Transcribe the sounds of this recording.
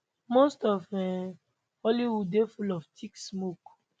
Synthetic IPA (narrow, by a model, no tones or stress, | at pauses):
mostɔvɛ̃m | ɔliwudefulɔftʰiksmok